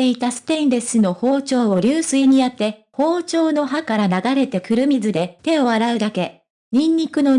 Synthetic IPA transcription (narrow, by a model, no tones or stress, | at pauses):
e̞it̪asɨ̥t̪ẽ̞nd̪esɨno̞ho̞ːt͡ɕo̞ːβoɾʲɨːsɨiɲ̟iat̪ːe̞ho̞ːt͡ɕo̞ːno̞ɦakaɾanaɡaɾe̞t̪e̞kɯ̟ɾɯ̟mʲizɨd̪e̞t̪e̞o̞βaɾaɯ̟d̪ake̞ | ɲ̟ĩɲːikɯ̟no̞